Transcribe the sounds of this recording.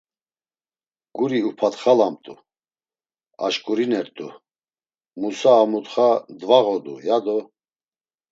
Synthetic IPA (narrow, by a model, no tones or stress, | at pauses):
ɡ̥uɾiupʰat̪χalamt̪ʼu | a̰ʃkʼuɾinɛɾt̪ʼu | musaːmut̪χad̪vaʁɔd̪ṵjad̪ɔ